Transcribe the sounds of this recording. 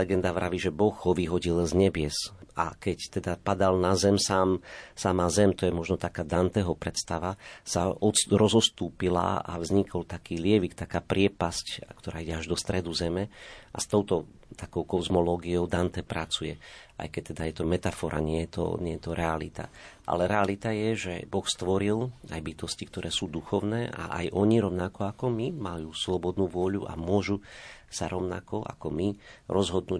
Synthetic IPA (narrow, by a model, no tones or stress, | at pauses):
lɛɡɛnd̪aʋɾaʋiʒɛbɔɣɦɔʋiɦɔɟilzɲɛbɪɛsa̰kɛct̪ɛd̪apad̪alnazɛmsaːmsamazɛmt̪ɔjɛmɔʒnɔt̪akaːd̪ant̪ɛɦɔpɾɛt̪st̪aʋasaɔɾɔzɔst̪uːpila̰a̰vzɲikʰɔlt̪akiːlɪɛʋikt̪akaːpɾɪɛpasckt̪ɔɾaːiɟɛaʒd̪ɔst̪ɾɛd̪uzɛmɛʔa̰st̪ɔʊt̪ɔ | t̪akɔʊkɔzmɔlɔːɡiɔʊd̪ant̪ɛpɾat͡sujɛa̰jkɛc̚t̪ɛd̪ajɛt̪ɔmɛt̪afɔɾa̰ɲɪɛjɛt̪ɔ̰ɲɛjɛt̪ɔɾɛalḭt̪a̰ʔa̰lɛɾɛalit̪ajɛʒɛbɔxst̪ʋɔɾilajbit̪ɔscik̚t̪ɔɾʔɛːsuːd̪uxɔʊnɛːʔa̰ʔa̰jʔɔɲiɾɔʊnakɔakɔmimajuːslɔbɔd̪nuːʋʊɔʎuʔa̰mʊɔʒusaɾɔʊna̰kɔʔa̰kɔmiɾɔzɦɔd̪nuː